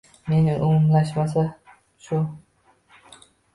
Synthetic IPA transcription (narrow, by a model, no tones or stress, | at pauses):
me̞nɪʔʊmʊmlaʃmasa | ʃʊ